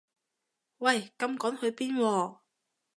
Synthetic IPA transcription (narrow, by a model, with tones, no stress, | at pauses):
wɐ˨˩jkɐ˧mkɔː˨˥ŋhɵ˨˧ɥpiː˥nwɔː˧